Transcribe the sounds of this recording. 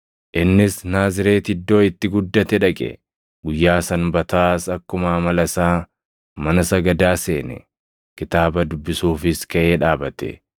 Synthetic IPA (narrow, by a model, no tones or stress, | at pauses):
ʔɪnːɪsnaːzɪɾe̞ːt̪ɪd̪ːo̞ːɪt̪ːɪɡʊd̪ːɐt̪ɛᶑɐkʼɛ̰ | ɡʊjːaːsɐnbɐt̪aːsɐkːʊmaːmɐlɐsaː | mɐnɐsɐɡɐd̪aːse̞ːnɛ̰ | kɪt̪aːbɐd̪ʊbːɪsuːfɪskɐʔe̞ːᶑaːbɐt̪ɛ̰